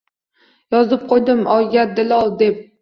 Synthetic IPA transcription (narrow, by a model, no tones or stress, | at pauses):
jɒzɪp̚qʰojd̪ɪmʔɒjɡʲad̪ɪlɒlˠd̪ep̚